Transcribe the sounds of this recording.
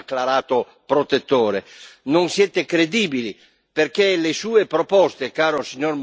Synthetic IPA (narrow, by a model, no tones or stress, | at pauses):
kːlaɾaːt̪o | pɾot̪et̪ːoːɾenoŋsjɛt̪ekɾed̪iːbili | perk̟elesuːepɾopɔst̪ekaːɾosiɲorm